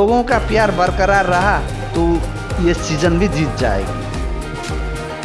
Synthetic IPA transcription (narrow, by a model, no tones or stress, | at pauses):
oɡõkapjaɾbəɾkəɾaɾːəɦa | t̪o | jesid͡ʒənbʱid͡ʒit̪̚d͡ʒaḛki